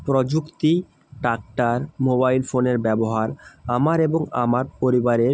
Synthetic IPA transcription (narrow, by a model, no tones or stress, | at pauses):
pɾɔd͡ʑukt̪i | ʈak̚ʈaɾmobajlfoneɾbɛboɦaɾamaɾeboŋa̰maɾpoɾibaɾeɾ